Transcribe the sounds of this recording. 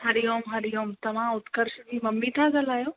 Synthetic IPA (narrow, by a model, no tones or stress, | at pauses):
ɦɐɾijoːmɦɐɾijoːmt̪ɐʋ̤ãʊt̪kəɾʃd͡ʑiːmɐmːit̪ʰãt͡sɐlaːjoː